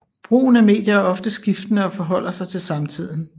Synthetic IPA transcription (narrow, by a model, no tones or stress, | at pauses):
b̥ʁṵːn̩æme̝̰ːd̥jɐæɐɒ̽fd̥əsɡ̥ifd̥ənəɒ̽fɒ̽ɦɒ̽l̰ɐsɑ̈ɪt͡sʰe̝lsɑ̈mt͡sʰið̰ˠn̩